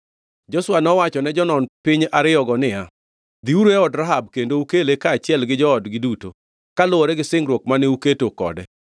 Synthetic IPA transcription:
d͡ʒɔswanɔwat͡ʃɔnɛd͡ʒɔnɔnpɪɲaɾɪjɔɡɔnɪja | d̪iuɾeɔdɾaɦab̚kendoukelekaːt͡ʃɪɛlɡɪd͡ʒɔɔdɡɪduto | kalʊoɾɛɡɪsɪŋɾwokmanɪuketokɔ̰dɛ

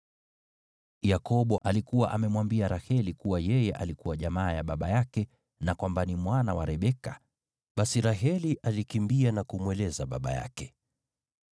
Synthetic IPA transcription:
jakɔɓɔʔalikuwaʔamɛmwambiaɾahɛlikuwajɛjɛʔalikuwaʄamaːjaɓaɓajakɛ | nakwambanimwanawaɾɛɓɛka | ɓasiɾaɦɛliʔalikimbianakumwɛlɛzaɓa̰ɓa̰ja̰kɛ̥

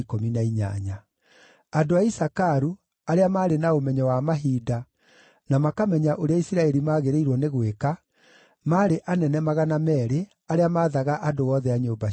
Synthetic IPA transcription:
kominaiɲa̰ɲa | adoaisakaɾu | aɾeamaːɾenaomɛɲɛwamaɦiːda | namakamɛɲaʔoɾeaisiɾaɛɾimaːɣeɾeiɾwɔneɣweka | maːɾeʔanɛnɛmaɣanamɛɾe | aɾeamaːðaɣaʔadowɔðɛaɲoːba

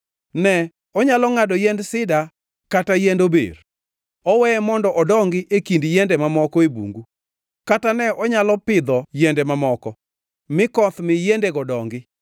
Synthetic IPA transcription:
nɛ | ɔɲalɔŋadɔjɛndsɪda | katajendobḛr | ɔwɛɛmɔndɔʔɔdɔŋɡɪʔekindjendɛmamɔkɔebṵŋɡu | katanɛʔɔɲalɔpɪd̪ɔjɛndɛmamɔkɔ | mɪkɔt̪mɪjendeɡɔdɔŋɡɪ

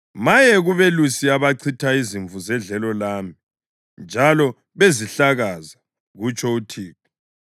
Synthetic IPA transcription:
majɛɣuβelusiaβaǀʰitʰaiziɱvuzɛɮɛlɔlaːmi | nd͡ʒʱalɔ | βeziɬaɣaza | ɣut͡ʃʼʰɔutʰiːku

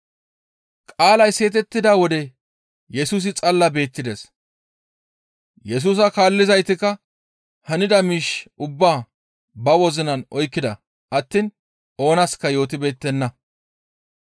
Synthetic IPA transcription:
kʼaːlɐjse̞ːt̪̬ɛt̪ːɪd̪ɐwɔd̪ɛ | jɛsuːs̬ɪt͡sʼɐlːɐbe̞ːt̪ːɪd̪es | jɛs̬uːs̬ɐkaːlːɪzɐjt̪ɪkːɐ | hɐnɪd̪ɐmiːʃʊbːaː | bɐwɔzɪnɐnʔɔjkːɪd̪ɐ | ʔɐt̪ːiːn | ʔo̞ːnɐskːɐjo̞ːt̪̬ɪbe̞ːt̪ːɛnːɐ

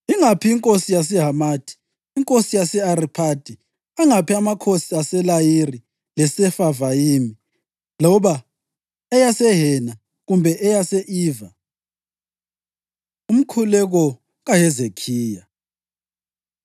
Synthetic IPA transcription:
iŋapʰiiŋkʼosijas̬ɛɦamaːtʰʼi̥ː | ŋkʼosijasɛaɾipʰad̥ʼʱi | aŋapʰiamakʰosiasɛlajiri | lɛsɛfavajiːmi | lɔβa | ɛjasɛɦɛna | ɣumbʱɛʔɛjasɛʔiːva | um̩kʰulɛɣɔ | ɣaɦɛzekʰiːja

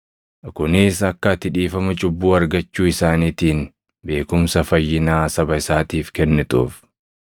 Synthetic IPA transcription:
kʊnɪsɐkːɐt̪ɪᶑiːfɐmɐt͡ʃʼʊbːuːɐɾɡɐt͡ʃːuːɪsaːniːt̪iːn | be̞ːkʊmsɐfɐjːɪnaːsɐbɐɪsaːt̪iːfkɛnːɛt̪ʼṵːf

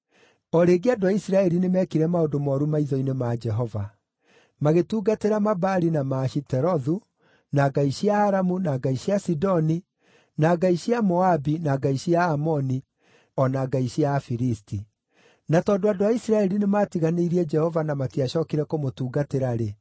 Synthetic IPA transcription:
ɔɾeːɡeadoaisiɾaɛɾinemɛkiɾɛmaodomɔɾumaiðɔinemad͡ʒɛɦɔva | maɣetuːɡateɾamabaɾinamaːʃitɛɾɔðu | naɡaiɕiaːɾamunaɡaiɕiasidɔni | naːɡaiɕiamɔabinaɡaiɕiaːmɔni | ɔnaːɡaiɕiafiɾisti | natɔːdoadoaisiɾaɛɾinemaːtiɣaneiɾiɛd͡ʒɛhɔvanamatiaɕɔːkiɾɛkomotuːɡateɾaɾe

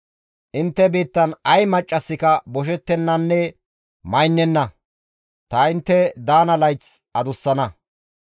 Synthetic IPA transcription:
ʔɪnt̪ːɛbiːt̪ːɐnɐjmɐt͡ʃʼːɐsːɪkɐbɔʃ̬ɛt̪ːɛnːɐnːɛ | mɐjnːɛnːɐ | t̪ɐɪnt̪ːɛd̪aːnɐlɐjt͡s | ɐd̪ʊsːɐnɐ

